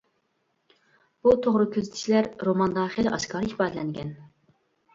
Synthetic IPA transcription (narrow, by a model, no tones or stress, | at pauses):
b̥ut̪ʰoʁɾɨkʲʰøzɪt̪ʰɪ̥t͡ʃʰilæɾɾomɑnd̪ɑːχilɛʔɑʃkɑɾɨhpɑːd̪ɨlɛŋɡʲɛ̰n